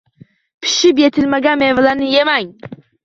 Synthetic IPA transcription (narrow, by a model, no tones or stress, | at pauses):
pʰɪ̥ʃɪp̬jet̪ʰɪlmaɡamevlˠanɨjemaŋ